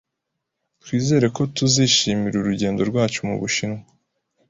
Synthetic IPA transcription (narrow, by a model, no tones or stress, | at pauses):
twiːze̞ːɾe̞ko̞tuziʃiːmiɾuɾuɟe̞ːndo̞ɾɡwaːt͡ʃumṵβuʃina